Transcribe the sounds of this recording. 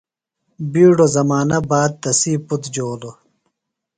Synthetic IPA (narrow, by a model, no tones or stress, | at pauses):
biːɖozɐmaːnɐbaːd̪̚t̪ɐsiːput̪d͡ʑoːlo